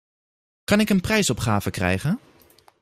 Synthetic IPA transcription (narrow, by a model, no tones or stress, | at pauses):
kɑnɪkənprɛjsɔpχaːvəkrɛ̰jχən